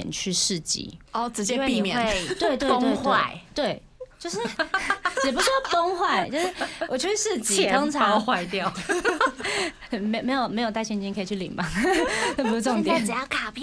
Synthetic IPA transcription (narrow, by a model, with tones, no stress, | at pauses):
ɛ̰˨˩nt͡ɕʰy˥˧ʂɻ̩˥˩t͡ɕḭ˧˩ɔ˥˩t͡sɻ̩˧t͡ɕjɛ˥i˥˩mjɛ˨˩t̪we˥˧ɪt̪we˥˧ɪt̪we˥˧ɪxt̪wea˥˩˧ɪt̪we˥˩ɪ | t͡ɕjo˥˧ʊʂɻ̩˥˩jɛ˨˩pu˥ʂ̩˥fo˥ŋxwa˥˩ɪt͡ɕjo˥˧ʊʂɻ̩˥˩wʔɔ˨˩t͡ɕʰy˥˩y˥˧ʂɻ̩˥˧t͡ɕi˧˨kɑ˥ŋt͡sʰa˧˥˧xwa˥˧ɪt̪jɑ˥˩ʊ˥˩ | me˧˥me˧˥ɪjo˨˩ʊme˧˥ɪjt̪a˥˩ɪɕjɛ˥˧nt͡ɕi˥ŋkʰə˧˥i˨˩t͡ɕʰy˥˩lḭ˨˩ŋmɑ˥˩ŋa˥˩p̬u˧˥ʂ̩˥˩˧ŋt̪jɛ˨˩n˨˩jɑ˥˩kʰa˨˩pʰ